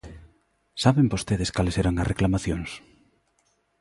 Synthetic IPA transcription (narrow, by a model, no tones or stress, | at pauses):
saβembost̪eðeskaleseɾaŋɐ̰reklamaθjoŋs